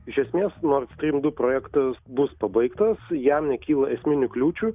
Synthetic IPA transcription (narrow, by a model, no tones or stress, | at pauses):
ɪʃʲɛsʲmʲeːsnoːrst̪ʲɾʲiːmd̪ʊpɾoːjækt̪ɐsbʊspɐbɐɪkt̪ɐsjɛmnʲɛkʲiːlˠɐɛsʲmʲɪnʲʊklʲuːt͡ʃʲʊ